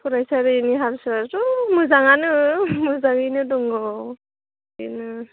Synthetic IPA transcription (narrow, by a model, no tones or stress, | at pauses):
kʰuɾajsaɾɯiniɦalsazumɯzaŋanɯmuzaŋɯnɯdɔŋɡɔw | inɯ